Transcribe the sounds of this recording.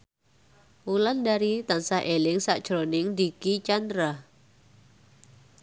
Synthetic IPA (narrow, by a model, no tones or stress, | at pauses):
wulandaɾit̪ansahʔelɪŋsa̰ʔd̥ʒ̥ɾonɪŋd̪ikit͡ʃand̪ɾa